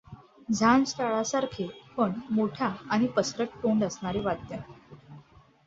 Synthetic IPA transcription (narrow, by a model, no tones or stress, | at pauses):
d͡zʱansʈaɭasaɾkʰepəɳmoʈʰaːɽ̃ipəsɾəʈ̚ʈoɳɖəsɳaɾeʋad̪̚ja